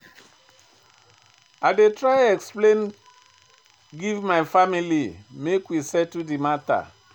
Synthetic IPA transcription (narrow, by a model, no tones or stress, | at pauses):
aɪdetɹajɛksplẽn | ɡivmaɪfamilimekwisɛtːudimata̰